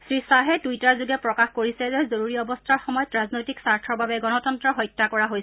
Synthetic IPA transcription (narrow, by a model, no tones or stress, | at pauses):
sɹisaɦɛdujtaɹzuɡɛpɹɔkaxkoɹisɛzɛzoɹuɹiɔbɔstʰaɹxɔmɔjɔtɹaznojtiksaɹtʰɔɹbabɛɡɔnɔtɔntɹɔɦɔjtːakɔɹaɦojsɛ